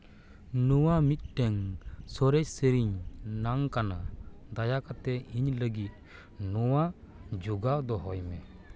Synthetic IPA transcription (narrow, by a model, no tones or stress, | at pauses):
nɔwamit̪̚ʈɛŋsɔɾɛcsəɾiɲnaŋkanad̪ajakat̪ɛiɲləɡit̪̚ | nɔwa | d͡ʒuɡad̪ɔɦɔjmɛ